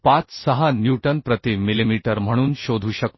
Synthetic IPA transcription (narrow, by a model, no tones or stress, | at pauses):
pat͡ssəɦanjuʈənpɾət̪imilimiʈəɾm̤əɽ̃uːnɕod̪ʱuːɕək̚t̪